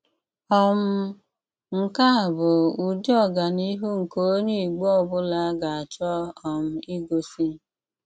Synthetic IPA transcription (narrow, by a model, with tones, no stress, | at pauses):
ɔ˦m̩˦ | ŋ̩˨ka˦a˨bʊ˨u˨d͡ʒɔ˦˨ɡa˨ni˦ɦu˦ŋ̩˨ko˦ɲi˦i˨ɡ͡bo˦ɔ˦˨bʊ˦la˦ɡa˨a˨t͡ʃɔ˦ɔ˨m̩˦i˦ɡo˨si˦